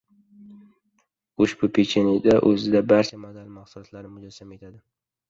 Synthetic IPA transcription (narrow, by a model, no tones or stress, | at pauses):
ʊʃbʊpʰet͡ʃʰenid̪aʔɵzɪd̪abaɾt͡ʃʰamad̪almaqsʊlɒt̪laɾnɪmʊd͡ʒasamae̞t̪ʰad̪ɪ